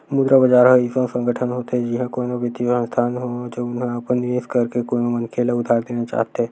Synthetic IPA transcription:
mud̪ɾabəd͡ʒaːɾɦɐisõsə̃ŋɡəʈʰənɦoːt̪eɦɛd͡ʒiɦãkoːnõbət̪isə̃st̪ʰaːnɦod͡ʒɐbʊnɦẽɐpənːɪʋeːskɐɾkekoːnomɐnkʰeːlaʊd̪ʱaːɾd̪eːnat͡ʃa̰ːɦt̪eɦɛː

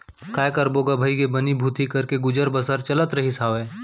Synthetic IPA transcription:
kaːjkəɾboːɡabʱəikebənibʱuːt̪ʰikɐɾkeɡʊd͡ʒəɾbəsəɾt͡ʃɐlət̪ɾɐɦisaːʋẽː

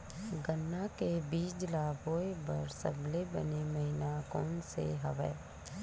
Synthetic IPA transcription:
ɡənːakebiːd͡ʒlaːboːebəɾsə̰blebəneməɦɪnakɔːnsḛɦəʋɛ̰ː

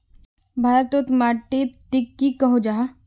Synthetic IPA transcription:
bʱaːɾət̪ot̪maːʈːit̪ʈɪkːikəɦod͡ʒaːɦ

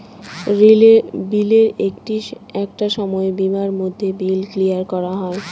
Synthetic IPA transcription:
ɾilebileɾek̚ʈiɛk̚ʈaʃɔmɔebimaɾmod̪ʱːebilkliaɾkɔɾaɦɔe

